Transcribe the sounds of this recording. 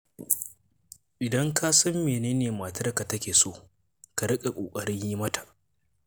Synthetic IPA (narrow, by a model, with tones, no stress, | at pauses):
ʔɪ˨dɐ˦ŋkaː˦sɐ˦mːeː˨neː˦neː˨maː˨tɐ˦rka˨tɐ˦kʲeː˨soː˦˨ | ka˨ɽɪ˦kʼa˨kʷʼoː˨kʼɐ˨ɽɪ˦ɲji˦mɐ˦ta˨ʔ